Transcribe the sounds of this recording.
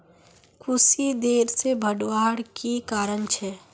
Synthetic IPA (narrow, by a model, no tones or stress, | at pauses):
kʰʊsid̪eːɾsebʱəɖwaːɽkikaːɾənt͡ʃʰɛ